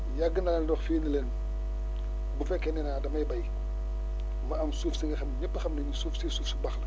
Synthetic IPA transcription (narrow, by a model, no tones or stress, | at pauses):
jɐɡːənandɔxfiːnilen | bufɛkːɛnɛnaːdɐmɐjbɐj | mɐɐmsuːfsiŋɡɐxɐmɲipːɐxɐmnɐɲisuːfsisuːfsibɐxlɐ